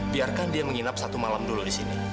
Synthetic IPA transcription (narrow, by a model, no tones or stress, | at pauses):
biarkandiaməŋinap̚sat̪umalamduludisinḭ